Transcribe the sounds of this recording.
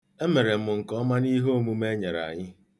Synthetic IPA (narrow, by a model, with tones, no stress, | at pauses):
e˦me˨ɾe˨m̩˦˨ʊ˨ŋ̩˨kɔ˦ma˦ni˦ɦo˦˨mu˦me˦ɲe˨ɾa̰˨ɲɪ˦